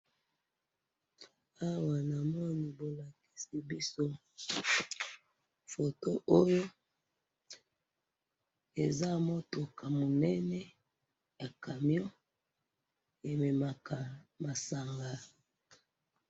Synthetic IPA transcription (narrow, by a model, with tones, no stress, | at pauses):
a˦wa˨na˨mɔ˦ni˨bo˨la˨ki̥˨si˨bi˦so˦ | fo˨to˦ʔo˦jo˦ | e˨za˦mɔ˦to˨kʰa˨mo˨nɛ˦nɛ˦ | ja˨ka˨mjɔ˦ | e˨me˨ma˨ka˨ma˨sa˨ŋɡa˨